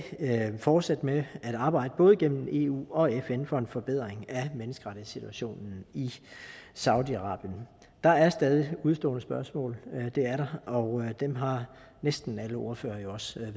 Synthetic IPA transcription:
fɒːd̥sæd̥əmeæɾ̥ɑ̈ːb̥ɑ̈ɪ̰d̥əb̥ɔ̽ːð̞̩ˠɡ̥en̰m̩e̝ːṵːɒ̽efenfɒ̽e̝nfɒ̽b̥eð̞̰ˠʁeŋæmenəsɡ̥əʁɑ̈ɾ̥ið̩ˠsit͡sʰuæɕo̝̰ːnn̩i | sɑ̈ʊd̥iɑ̈ʁɑ̈ːb̥jən | d̥ɑ̈æɐsd̥ɛːð̞ˠiuð̞ˠsd̥ɔ̰ːnəsb̥ɶɐsmɔ̰̽ːld̥e̝æɐɾɑ̈ɒ̽ʊd̥emɦɑ̈ | nesd̥n̩æləo̝ɐfø̰ːɐjo̝ɒ̽s

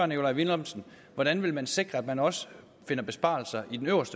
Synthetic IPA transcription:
ɐno̝lɑ̈ɪʋinɒmsn̩ | ʋɒɾ̥ænʋe̝lmænse̝ɡ̥ʁɐæd̥mænɒ̽sə | fe̝nɐb̥e̝sb̥ɑ̰̈lsɐʔid̥enøʊɐsd̥ə

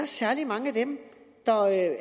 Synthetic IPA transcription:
ɐsæɐlimɑ̈ŋəæd̥emd̥ɑ̈ø

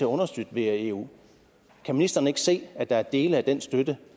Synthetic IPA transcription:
e̝ɐɔ̽nɐsd̥yd̥ʋe̝ɐe̝ːṵː | kʰæminisd̥ɐnəe̝ɡ̥ə̥se̝̰ːæd̥ɑ̈æɐd̥e̝ːləæd̥en̰sd̥ød̥ə

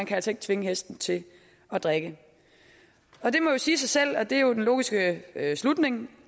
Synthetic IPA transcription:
ænkʰæælsəe̝ɡ̥̚t͡sʰʋe̝ŋəɦesd̥n̩t͡sʰe̝ | ɒ̽d̥ʁaɡ̥ə | ɒ̽d̥e̝mɒ̽josiːsɑ̈ɪsel̰ɒ̽d̥e̝æjo̝denlo̝̰ːɡ̥isɡ̥əslud̥ne̝ŋ

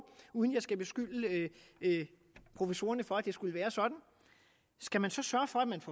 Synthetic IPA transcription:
uːðˠn̩jɑ̈ɪsɡ̥æb̥e̝sɡ̥ylə | pʰʁo̝fəso̝ːɐnəfɒ̽æd̥e̝sɡ̥uləʋæːɐsɒ̽d̥n̩ | sɡ̥æmænsɒ̽sɶɐfɒ̽æd̥mænfɒ

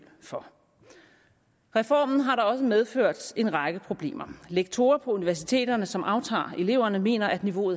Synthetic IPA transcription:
lfɒ̽ | ʁɛfɒ̰ːmn̩ɦɑ̈ɾɑ̈ɒ̽səmeð̞ˠføɐ̰d̥e̝nʁɑ̈ɡ̥əpʰʁo̝b̥le̝̰ːmɐleɡ̥̚t͡sʰo̝ːɐpʰɒ̽uniʋæɐsit͡sʰe̝̰ːd̥ɐnəsɒ̽mʔɑ̈ʊt͡sʰɑ̰̈ːe̝le̝ʊ̰ɐnəme̝̰ːnɐʔæd̥niʋo̝̰ːð̩ˠ

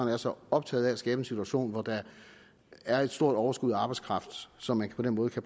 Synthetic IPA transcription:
næɐsɒ̽ɒ̽b̥̚t͡sʰɛ̰ːð̩ˠææsɡ̥ɛːb̥əe̝nsit͡sʰuæɕo̝̰ːnʋɒd̥ɑ̈ | æɐe̝d̥sd̥o̝ɐ̰d̥ɒʊɐsɡ̥uð̰ˠæɑ̈ːbɑ̈ɪdskʰʁɑ̈fd̥sɒ̽mːænpʰɒ̽d̥en̰mɔːð̩əkʰæb̥

